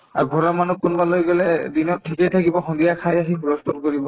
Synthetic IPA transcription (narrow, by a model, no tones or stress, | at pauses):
aɹɡʱɔɹɔmanukːunbalojɡɔlɛdinɔt̚tʰːikejtʰakibɔxɔndijakʰajaɦixuɹɔstʰɔdkoɹibɔ